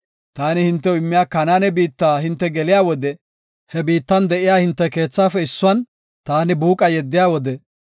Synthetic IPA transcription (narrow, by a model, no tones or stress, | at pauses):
t̪aːnɪhɪnt̪ːɛʊɪmːɪjaːkɐnaːnɛbiːt̪ːaːhɪnt̪ːɛɡɛlɪjaːwɔd̪ɛ | hɛbiːt̪ːɐnd̪ɛʔɪjaːhɪnt̪ːɛke̞ːt͡sːaːfɛɪsːʊwɐn | t̪aːnɪbuːkʼɐjɛd̪ːɪjaːwɔd̪ɛ